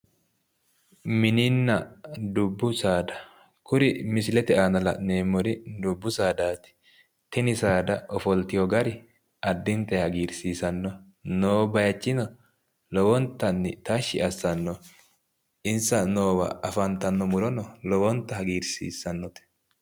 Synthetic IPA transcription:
mɪnɪnːɐd̪ʊbːʊsaːd̪ɐ̥ | kʊɾɪmɪsɪlɛt̪ɛaːnɐlɐ̰neːmːɔɾɪd̪ʊbːʊsaːd̪aːt̪ɪ̥ | t̪ɛnɪsaːd̪ɐɔfɔlt̪ɪjɔɡɐɾɪ | ʔɐd̪ːɪnt̪ɛhɐɡiːɾsiːsɐnːɔ | noːbɐjɐt͡ʃːɪnɔ | lɔwɔnt̪ːɐnːɪt̪ɐʃːɪʔɐsːɐnːɔ | ɪnsɐnoːwɐ̰ɐfɐnt̪ɐnːɔmʊlɔnɔlɔwɔnt̪ːɐhɐɡiːɾsiːsːɐnːɔt̪ɛ̥

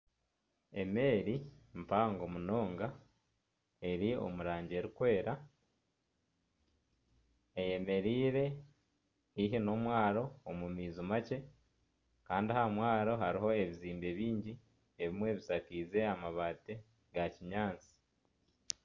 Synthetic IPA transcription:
e̞̰me̞ːɾimpaːŋɡo̞muno̞ːŋɡa | e̞ɾio̰muɾaːɲɟe̞ːɾikwe̞ːɾa | eje̞me̞ɾiːɾe̞ | iɦino̞mwaːɾo̞ːmumiːzumace̞ | kaːndihamwaːɾo̞ɦaɾiɦo̞e̞βiziːmbe̞βiːɲɟi | eβimwe̞ːβisakiːze̞amaβate | ɡaciɲaːnt͡si̥

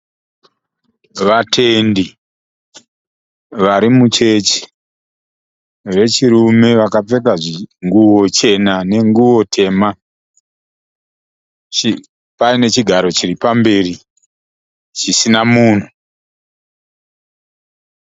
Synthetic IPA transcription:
ʋatʰe̞ndi | ʋaɾimut͡ʃe̞t͡ʃi̥ | ʋe̞t͡ʃiɾume̞ʋakap͡fe̞k̬aʐiŋɡuwot͡ʃe̞nane̞ŋɡuwo̞tʰe̞ːma | i | paine̞t͡ʃiɡʱaɾo̞t͡ʃiripambe̞ri | t͡ʃisinamuːn̤u

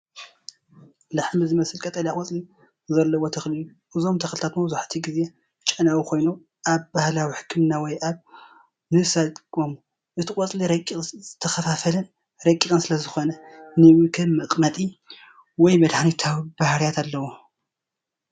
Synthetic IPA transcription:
laħmizɨmɐsɨlkʼɐt̪ʼɐljakʼɔt͡sʼli | zɐlːɐwot̪ʰɐxliju | ʔɨzo̞mt̪ʰɐxlɨt̪ʰat̪mɐβzaħt̪ʰiɡize̞ | t͡ʃʼɐnawukʰo̞jno | ʔaβbahlawiħɨ̥kʰːɨmnawɔjʔaβ | nɨsat̪kʼom | ʔɨt̪ʰɨkʼɔt͡sʼliɾɐkʼzɨt̪ʰːɐxɐfafɐlɐn | ɾɐkʼːikʼɨnsɨlɐzɨxo̞nɐnɨwɨkʰɨmɨqʼmɐt̪ʼi | wɔjmɐd̪ħanit̪ʰawibahɾjat̪ʰalːɐwo

